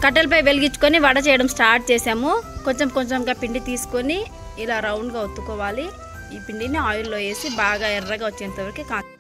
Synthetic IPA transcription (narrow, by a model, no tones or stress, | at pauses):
kɐʈ̬ːelɐp̬ɐjʋeliɡit͡ʃːu̥koniʋɐɽɐt͡ʃɛːjɐɽɐmsʈaːɾʈ̚t͡ʃeːsaːmuko̞ɲt͡ʃemkoɲt͡ʃemɡaːpiɳɖit̪iːsu̥koniː | laːɾɐwɳɖɡaːot̪ːukɔːʋaːli | iːpiɳɖiniaːjulːo̞ːje̞ːsibaːɡaːɛrːɐɡaːot͡ʃːent̪ɐʋɐɾikikaː